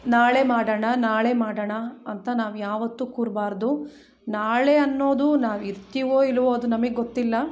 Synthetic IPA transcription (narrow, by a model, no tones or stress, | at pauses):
naːɭemaːɽɐɳɐnaːɭe̞maːɽɐɳɐɐnt̪ɐnaːʋujaːʋɐt̪ːukuːɾbaːɾd̪u | naːɭeɐnːo̞ːd̪unaːʋiɾt̪iʋoːilʋoːɐd̪unɐmɐɡeɡot̪ːilːɐ